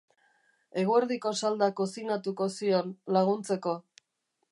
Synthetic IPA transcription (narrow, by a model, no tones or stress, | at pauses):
e̞ɣ̞ue̞ɾðiko̞sald̪akosiɣnat̪uko̞sio̞nlaɣ̞unt͡se̞ko̞